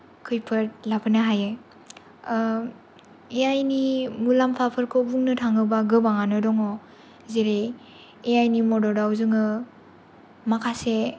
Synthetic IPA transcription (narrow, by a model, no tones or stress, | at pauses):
kʰɯjpʰɯɾt̚lapʰɯnaɦajɯj | eajnimulampʰapʰɯɾkʰobuŋnɯtʰaŋɯbaɡɯbaŋanɯdɔŋɔ | zeɾe | ejajnimɔdɔdawzɯŋɯ | makʰase